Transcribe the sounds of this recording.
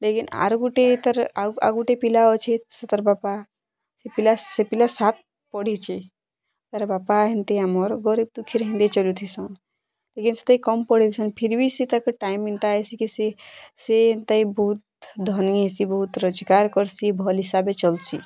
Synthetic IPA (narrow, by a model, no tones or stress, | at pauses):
lekina̰ɾɡuʈet̪əɾaa̰ɡuʈepilaɔt͡ʃʰesət̪əɾbapa | sepilasepilasat̪̚ | pɔɽ̤it͡ʃʰe | t̪aɾbapaɦĩnt̪eamɔɾɡɔɾib̚t̪ukʰːiɾɦĩnd̪et͡ʃəlut̪ʰisɔ̃ | lekinsə̥t̪əikɔmpɔɽ̤it̪ʰisənpʰiɾbʱisit̪əkʈaimint̪asikisesent̪aibɔɦut̪ | d̪ʱɔniesibɔɦut̪ɾəd͡ʒkaɾkɔɾsibʱɔlɦisabet͡ʃəlsḭ